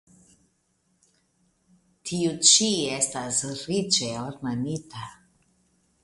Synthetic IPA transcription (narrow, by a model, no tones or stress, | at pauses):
t̪ʰiut͡ʃijɛst̪azɾit͡ʃɛɔɾmanit̪a